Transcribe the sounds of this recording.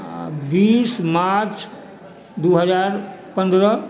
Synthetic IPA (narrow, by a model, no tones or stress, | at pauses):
bismaɾt͡ʃ | d̪uɦəd͡ʒaɾpə̃nd̪ɾə